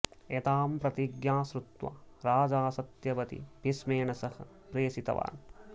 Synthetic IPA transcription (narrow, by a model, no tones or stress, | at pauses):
et̪aːmpɾɐt̪iɡjaːsɾut̪ʋa̰ɾaːd͡ʒaːsɐt̪jɐʋɐt̪ḭpismeːɳɐsɐhɐ̆ | pɾeːsit̪ɐ̰ʋa̰ːn